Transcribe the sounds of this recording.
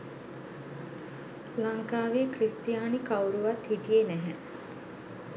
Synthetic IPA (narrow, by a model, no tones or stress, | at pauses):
laŋkaːʋekrist̪jaːnikawɾuʋat̪hiʈijenæɦɛ